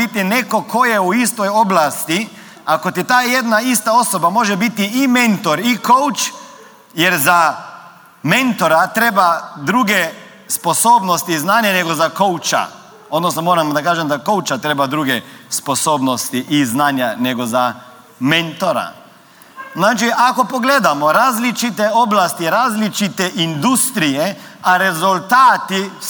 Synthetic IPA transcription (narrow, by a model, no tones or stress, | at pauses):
it̪inekokʰojɛuist̪ɔjoblast̪i | akot̪it̪aːjed̪naist̪aosobamoːʒɛbit̪iːmẽnt̪ɔɾikowt͡ʃ | jɛɾza | mẽnt̪oɾat̪ɾeːbad̪ɾuɡɛ | sposoːbnost̪iznaːnjanɛɡɔzakowt͡ʃa̰ | od̪nosnɔmoːɾamd̪akaːʒɛmd̪akɔwt͡ʃat̪ɾeːbad̪ɾuːɡɛspɔsoːbnɔst̪iʔiznaːnjanɛɡɔza | ment̪ɔɾa̰ | nat͡ʃiʔakɔpɔɡleːd̪amɔɾaːzlit͡ʃit̪ɛoblast̪iɾaːzlit͡ʃit̪ɛʔind̪ust̪ɾijɛaɾɛzult̪aːt̪i